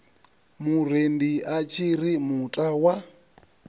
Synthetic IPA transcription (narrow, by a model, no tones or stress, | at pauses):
mur̤endiat͡ʃʰiɾimutʼawa